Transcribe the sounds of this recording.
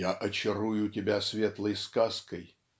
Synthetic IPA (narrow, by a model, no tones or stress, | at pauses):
aʔɐt͡ɕɪɾujʊtʲɪbʲasvʲet̪lˠəjskaskəj